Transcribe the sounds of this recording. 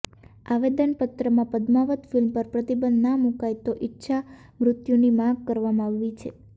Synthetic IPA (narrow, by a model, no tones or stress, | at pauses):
aʋed̪ənpət̪ɾəmãpəd̪maʋət̪filmpəɾpɾət̪ibənd̪namũkajt̪oʔɪtːʃʰa | mɾʊt̪junimãɡ̚kəɾʋamãaʋːit͡ʃʰe